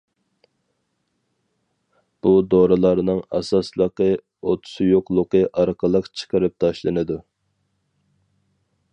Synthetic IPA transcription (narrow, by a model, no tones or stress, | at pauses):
b̥ud̪oɾɨlˠɑɾnɨŋɛsɑslˠəqə | ot̪ʰʊ̥sɨjoqlˠʊqəʔɑɾqʰəlˠəqt͡ʃʰə̥qəɾɨp̚t̪ʰɑʃlˠɨnɨd̪u